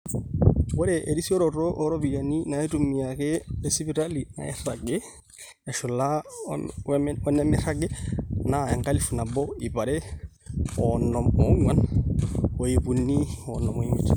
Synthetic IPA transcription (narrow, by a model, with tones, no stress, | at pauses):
wɔ˦ɾɛʔe˨ɾi˦si˦ɔ˦ɾɔɾo˦ʔːɾɔ˦bi˨ja˨ni˦na˨ɛ˦tumːi˨akɛ˦esi˦bi˨ɾali˨na̰˨ɛ̰˦ɾa˨ɡɛ | ɛ˨ʃu˨la˦ | ɔ˦nɛ˦mɛɾa˦ɡɛ˦naɛ˨ŋka˦li˨fu˨na˨bɔ˦i˨ba˨ɾɛ˦ | ɔnːɔmɔ˦ŋwan | o˨jibu˨nːi˦ɔnːɔ˨mɔ˨i˦mi˨t͡ʃ